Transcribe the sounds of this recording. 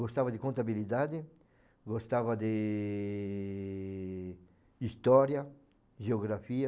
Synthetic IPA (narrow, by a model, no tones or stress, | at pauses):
ɡost̪avad̪ɪkõnt̪abilid̪ad̪ɪ | ɡost̪avad̪e | ist̪ɔɾja | ʒeoɡɾafia